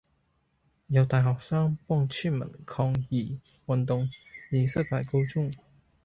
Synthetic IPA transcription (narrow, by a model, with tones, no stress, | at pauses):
jɐ˨˧wt̪aː˨˩jɦɔː˨k̚saː˥ŋpɔː˥ŋt͡ʃʰyː˥˩nmɐ̰˨˩nkʰɔː˧ŋjiː˨˩ | wɐ˨nt̪ʊ˨ŋjiː˨˧sɐ˥pʰaː˨˩jko˥wt͡sʊ˥ŋ